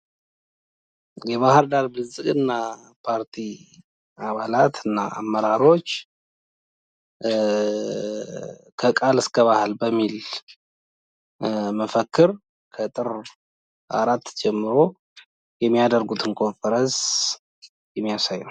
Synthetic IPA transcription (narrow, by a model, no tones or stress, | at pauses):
jɛβahɨɾd̪aɾbɨzɨkʼɨnːa | pʰaɾt̪ʰi | aβalat̪ɨnːaʔa̰mːəɾaɾo̞t͡ʃː | kʰəkʼalɨskʰəβahalbəmːil | məfəkːɨɾ | kʰət̪ʼɨɾ | ʔa̰ɾat̪ːd͡ʒɛmːɨɾo̞ | jɛmːijad̪əɾɡut̪ʰɨnkʰo̞nfəɾəns | jɛmːijasajːɛw